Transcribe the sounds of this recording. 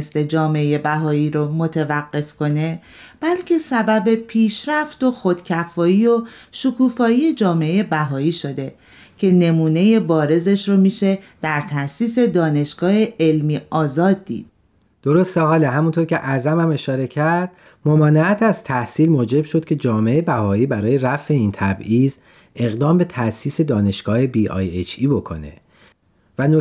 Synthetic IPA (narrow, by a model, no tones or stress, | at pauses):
st̪e̞d͡ʒɒːmeeje̞bæɦɒːiːɾomo̞t̪ʰevæɢːe̞fkʰo̞ne̞ | b̥ælcʰe̞sæbæbe̞pʰiːʃɾæft̪o̞xo̞d̪̥cʰæfɒːiːoʃukʰuːfɒːijed͡ʒɒːme̞eje̞bæɦɒːiːʃo̞d̪e̞ | cʰe̞ne̞muːne̞jebɒːɾe̞ze̞ʃɾomiːʃe̞d̪̥æɾt̪ʰæsiːse̞d̪ɒːne̞ʃɡ̥ɒːheelmiːɒːzɒːd̪̚ːḭːd̪̥ | d̪̥oɾost̪ehɒːleɦæmunt̪ʰoɾcʲʰe̞ʔæzæmæme̞ʃɒːɾe̞cʰæɾɾd̪̥ | momɒːneæt̪ʰæzt̪ʰæhsiːlmoːd͡ʒe̞bʃod̪̥̚cʲʰe̞d͡ʒɒːmeejebæhɒːiːbæɾɒːje̞ɾæfe̞iːnt̪ʰæbʔiːz | e̞ɣd̪ɒːmbe̞t̪ʰæsiːse̞d̪ɒːne̞ʃɡ̥ɒːhe̞biːʔɒ̰ːjet͡ʃʰiːbo̞kʰo̞̰ne̞̰ | væno